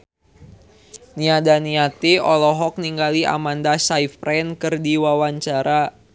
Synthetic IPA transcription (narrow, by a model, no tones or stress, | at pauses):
niadaniat̪iɔlɔɦɔk̚niŋɡalia̰mandasaifɾɛnkɨrdiwawaɲt͡ʃaɾa